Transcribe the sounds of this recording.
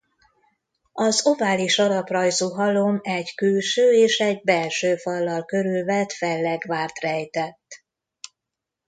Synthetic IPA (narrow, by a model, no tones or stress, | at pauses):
ɒzovaːliʃɒɾɒprɒjzuːɦɒlomɛɟkylʃøːeːʃɛɟbɛlʃøːfɒlːɒlkø̞ɾylvɛt̪fɛlːɛɡvaːrt̪rɛjt̪ɛt̪ː